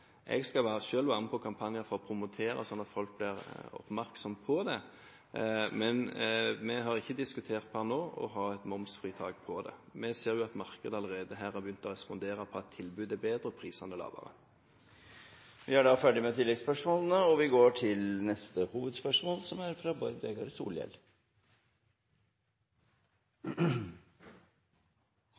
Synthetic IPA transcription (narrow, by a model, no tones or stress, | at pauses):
ʔɛ̰ɡskɑlʋæːɾəʃøːlʋɑːənəpʰɔkʰɑmpʰɑnjəɾfɔʁɔpʰɾʊmʊt̪ʰeːɾə̰sɔnːɑt̪fɔlk̚blɪɾɔ̰pmæɾksɔmpʰɔd̪ɛ | mɛnmɛɦɑʁɪçːəd̪ɪskʉt̪ʰeːʁt̪̚pʰɑnoːɔ̰ɦɑːɛt̪mʊmsfʁiːt̪ʰɑːɡpʰɔd̪ɛ̰mɛseːɾjʊɑt̪mɑʁkəd̪əɑləʁeːd̪əɦæːɾɑɾbjʏnt̪ɔɾɛspɔnd̪eːɾəpʰɔɑt̪ʰːɪlbʉːd̪ɛbeːd̪ɾəpʰɾiːsɑnəlɑ̰ːʋə̰ɾə̰ | ʋɪæɖɑfæɖɪmɛt̪ʰɪlːɛɡspœʂmoːlən̩əɔʋɪɡoːʈʰɪlnɛst̪əhuːʋəd̪spœʂmoːlsɔmæɾfɾɑbɔʏd̪bɛɡɑɾsṵːljɛ̰l